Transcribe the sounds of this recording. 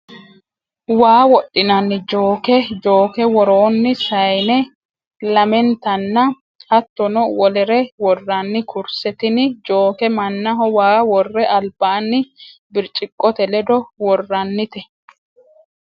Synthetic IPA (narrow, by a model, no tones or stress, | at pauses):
waːwɔɗːɪnɐnːɪd͡ʒoːkɛd͡ʒo̞ːkɛwɔɾoːnːɪsɐjnɛ | lɐmɛnt̪ɐnːɐ | hɐt̪ːɔnɔwɔlɛɾɛwɔrːɐnːɪkʊɾsɛt̪ɪnɪd͡ʒo̞ːkɛmɐnːɐɦɔwaːwɔrːɛʔɐlb̥aːnːɪbɪɾt͡ʃʼɪkʼːɔt̪ɛlɛd̪ɔwɔrːɐnːɪt̪ɛ